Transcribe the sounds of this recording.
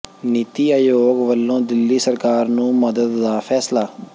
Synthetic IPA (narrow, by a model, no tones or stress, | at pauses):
nit̪iːaːjoːɡʋəlːõːd̪ɪlːiːsəɾkaːɾnũːməd̪əd̪ːaːpʰɛːslaː